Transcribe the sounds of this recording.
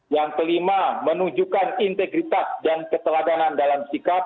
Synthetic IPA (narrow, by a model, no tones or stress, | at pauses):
jaŋt̪əlimamənud͡ʒukanint̪eɡɾit̪asdankət̪əladanandalamsikat̚